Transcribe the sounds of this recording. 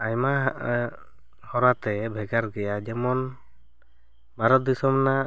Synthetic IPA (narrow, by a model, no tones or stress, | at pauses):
ajma | hɔɾat̪ɛbʱɛɡaɾɡɛjad͡ʒɛmɔn | maɾɔd̪isɔmna